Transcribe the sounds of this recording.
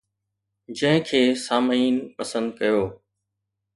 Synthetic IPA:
d͡ʑɐ̃ɦɪ̃kʰeːsaːməiːnpɐsə̃nd̪̚kɐjoː

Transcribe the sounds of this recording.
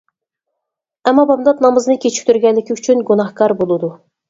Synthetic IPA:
ɛmːɑbɑmd̪ɑt̪̚nɑmɨznɨkʲʰet͡ʃʰɪ̥kʲt̪ʰyɾɡʲɛnlːɪkʲiyt͡ʃʰynɡunɑhkɑɾbolˠɨd̪u

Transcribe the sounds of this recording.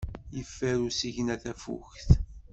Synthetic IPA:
jəfːæɾusiʝnæθæfṵçθ

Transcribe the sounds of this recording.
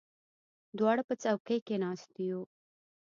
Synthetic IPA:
d̪wɑɽapət͡sawkəjkenɑst̪iju

